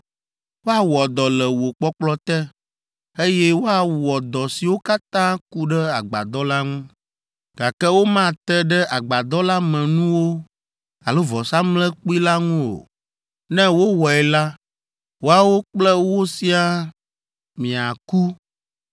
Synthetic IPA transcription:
wo˦a˨wɔ˨d̪ɔ˨lɛ˨wo˨k͡pɔ˦k͡plɔ˦t̪ɛ˦ | e˦jɛ˦wo˦a˨wɔ˨d̪ɔ˨si˨wo˦ka˦t̪ã˦ku˦ɖɛ˦a˨ɡ͡ba̰˨d̪ɔ˦la˦ŋũ˦ | ɡ̥a˨kɛ˦wo˦mã˦˨t̪ɛ˦ɖɛ˦ʔa˨ɡ͡ba˨d̪ɔ˦la˦mɛ̃˨nũ˦wo˦ | a˨lo˦vɔ˨sa˦mlɛ̃˦k͡pu˦i˦la˦ŋũ˦o̰˨ | nɛ̃˦wo˦wɔ˨ɛ˨la˦ | wo˦a˨wo˦k͡plɛ˦wo˦si˦a˦ | mĩ˨a˨ku˦

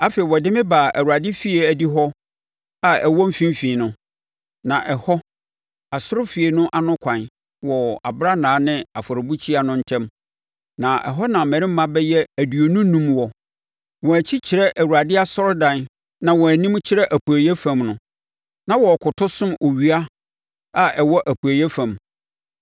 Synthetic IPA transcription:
a˦fe˨i˨wɔ˨dɪ˦mɪ̃˦ba˨ʔæ˨wu˨ɾa˨dɪ˦fi˦e˨æ˨di˦ɦɔ˦ | a˨ɛ˨wɔ̃˦m̩˦fĩ˦m˦fĩː˨nʊ̃˦ | nã˨ʔɛ˨hɔ˦ | a˨sʊ˦ɾʊ˦fi˨e˨nʊ̃˦ʔa˨nʊ̃˦kʷʰã˨n | wɔ˨a̰˨bɾa˦nãː˨˦nɪ̃˦a˨fɔ˨ɾʊ˨bu˦t͡ɕʰi˦a˨nʊ̃˦ɲ̩˨t͡ɕʰɛ̃˦m | nã˨ʔɛ̰˨ɦɔ˦nã˨mɛ̃˨ɾɪ̃˦m˦mã˦bɛ˦jɛ˦æ˨dɥo˨nʊ̃˦nũ˦mwɔ˨ | wɔ̃˨æ˨t͡ɕʰi˦t͡ɕʰɪ˨ɾɛ˦ʔæ˨wu˨a˨dɪ˦a˦sɔ˦ɾdã˨n | nã˨wɔ̃˨æ˨nĩ˦mt͡ɕʰɪ˦ɾɛ˦ʔæ˨pʰu˨æ˨jɛ˦fã˨mnʊ̃˨ | nã˨wɔ˨kʰʊ˨tʰʊ˦sʊ̃˦mʔo˨ɥi˨a˦ | a˨ʔɛ˨wɔ˦ʔæ˨pʰu˨æ˨jɛ˦fã˨m

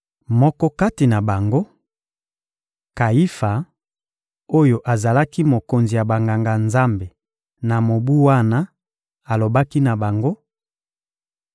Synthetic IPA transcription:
mɔ˦kɔ˦ka˦ti˨na˨ba˨ŋɡo˦ | ka˨i˦fa˨ | o˦jo˨ʔa˨za˨la˦ki˦mo˨ko˨nzi˨ja˨ba˨ŋɡa˨ŋɡa˨nza˦mbe˨ | na˨mo˨bu˦wa˦na˦ | a˨lo˨ba˦ki˦na˨ba˨ŋɡo˦

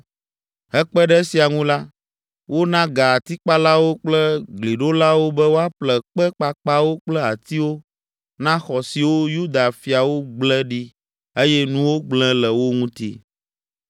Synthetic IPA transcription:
ɦɛ˦k͡pɛ˦ɖɛ˦si˨a˨ŋũ˦la˦ | wo˦nã˦ɡa˨t̪i˦k͡pa˦la˦wo˦k͡plɛ˦ɡli˨ɖo˦la˦wo˦bɛ˦wo˦a˦plɛ˨k͡pɛ˦k͡pa˦k͡pa˦wo˦k͡plɛ˦a˨t̪i˦wo˦ | nã˦xɔ˨si˨wo˦ju˦d̪a˨fi˨a˨wo˦ɡ͡blɛ˦ɖi˦ | e˦jɛ˦nũ˦wo˦ɡ͡blɛ̃˦lɛ˨wo˦ŋũ˦t̪ḭ˦

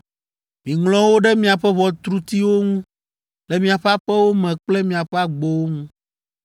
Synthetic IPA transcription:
mĩ˨ŋlɔ̃˦wo˦ɖɛ˦mĩ˦a˨ɸɛ˦βɔ˨t̪ɾu˦t̪i˦wo˦ŋũ˦ | lɛ˨mĩ˨a˨ɸɛ˦a˦ɸɛ˦wo˦mɛ̃˨k͡plɛ˦mĩ˨a˨ɸɛ˦a˦ɡ͡bo˨wo˦ŋũ˦

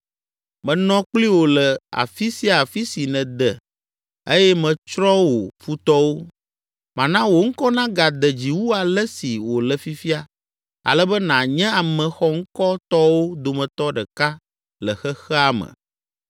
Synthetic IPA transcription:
mɛ̃˨nɔ̃˦k͡pli˦wo˨lə˨a̰˨fi˦si˦a˨fi˦si˨nɛ̃˨d̪ɛ˨ | e˦jɛ˦mɛ̃˨t͡ʃɾɔ˦wo˨fu˦t̪ɔ˦wo˦ | mã˨nã˦wo˨ŋ̩˦kɔ˦nã˦ɡa˨d̪ə˨d͡ʑi˨wu˦a˨lɛ˦si˨wo˨lə˨fi˦fi˦a˨ | a̰˨lɛ˦bɛ˦nã˨ɲɛ̃˦a˨mɛ̃˨xɔ˦ŋ̩˦kɔ˦t̪ɔ˦wo˦d̪o˨mɛ̃˨t̪ɔ˦ɖɛ˨ka˦ | lə˨xɛ˦xɛ˦a˨mə̰˨

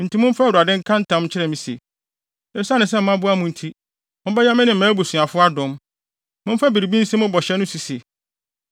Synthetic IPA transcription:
n̩˨tʰi˨˦mʊ̃˦m̩˦fa˦˨u˨a˨dɪ̃˦ŋ̩˦kʰã˦n̩˦tʰã˨˦m̩˦t͡ɕʰɪ˦ɾɛ˨mĩ˦sḛ˨ | ɛ˨˦sa˦nɪ̃˨sɛ˦m̩˦mã˦bʊ˦a˦mʊ̃˨n̩˦tʰi˦ | mʊ̃˦bɛ˦ja˦mɪ̃˦nɪ̃˨m̩˨mɛ̃˨˦bu˨sɪ̃˨a˨fʊ˦a˦dʊ̃˨˦m | mʊ̃˦m̩˦fa˦bi˨ɾi˨bĩ˦n̩˦si˦mʊ̃˦bɔ˨ɕɛ˦nʊ̃˦si˨se˨

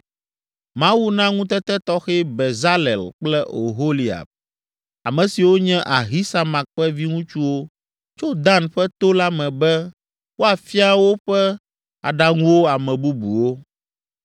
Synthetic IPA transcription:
mã˦wu˦nã˦ŋũ˦t̪ɛ˦t̪ɛ˦t̪ɔ˦xɛ˦bɛ˨za˦lɛ̰˨lk͡plɛ˦ʔo̰˨ɦo˦li˨a̰˨b̚ | a̰˨mɛ̃˨si˨wo˦ɲɛ̃˦ʔa˨ɦi˦sa˦mã˨k̚ɸɛ˦vi˦ŋũ˦t͡ʃu˦wo˦ | t͡ʃo˦d̪ã˦nɸɛ˦t̪o˦la˦mɛ̃˨bɛ˦ | wo˦a˨fi˦a˨wo˦ɸɛ˦ | a̰˨ɖa˨ŋũ˦wo˦a˨mɛ̃˨bu˦bṵ˨wo˦

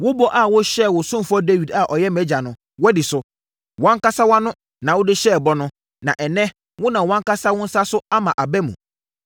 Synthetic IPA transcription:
wʊ˦bɔ˦ʔa˨wʊ˦ɕɛ˦˨wʊ˨sʊ̃˦m̩˨fɔ˦de˦wi˨da˨ʔɔ˨jɛ˦mɛ˦d͡ʑa˨nʊ̃˦ | wɛ˦dɪ˨sʊ˨ | wã˦ŋ˦ka˦sa˦wã˦nʊ̃˦ | nã˨wʊ˦dɪ˦ɕɛ˦˨bɔ˦nʊ̃˦ | nã̰˨ʔɛ˨nɛ̃˦ | wʊ̃˦nã˨wã˦ŋka˦sa˦wʊ̃˦n̩˦sa˦sʊ˦a˦mã˨ʔa˨bɛ˦mṵ̃˨

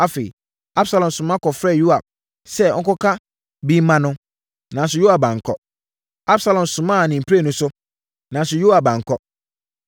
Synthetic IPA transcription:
a˦fe˨ | a˦b̥sa˨lɔ̃˨msʊ̃˨mã˦kɔ˨fɾɛ˦˨ju˦a˨b̚ | sɛ̰˦ŋ̩˦kɔ˦kʰa˦ | bi˦m˦mã˦nʊ̃˦ | nã˨n˦sʊ˨˦ju˦a˨bã˨ŋ̩˨kʰɔ˨ | a˦bsa˨lɔ̃˨msʊ̃˨mã˦˨nɪ̃˨m̩˨pʰɾe˦˨nʊ̃˦sʊ˦ | nã˨n˦s̬ʊ˦ju˦a˨bã˨ŋ̩˨kʰɔ˦

